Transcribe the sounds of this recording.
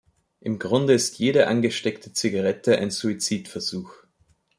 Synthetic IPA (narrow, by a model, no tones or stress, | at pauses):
ʔɪmɡʁʊndəɪstʰjeːɾɐʔanɡəʃtɛktʰət͡sɪɡaʁɛtəa̰ɪnz̥uit͡siːtfɛɐz̥uːx